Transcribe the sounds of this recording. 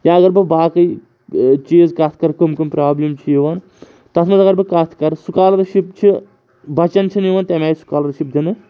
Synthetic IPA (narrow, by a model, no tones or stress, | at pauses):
jãːɐɡɐɾbɨbaːkɐi | t͡ʃeːzkɐt̪ʰkɐɾkɐmkumpɾaːblʲimt͡ʃʰiiʋan | t̪ɐt̪ʰmɐzɐɡɐɾbɨkɐt̪ʰkɐɾsukaːlɐɾʃipt͡ʃʰi | bɐt͡ʃɐnt͡ʃʰinjiʋɐnt̪emɛːsu̥kaːlɐɾʃip̚d̪ʲinɨ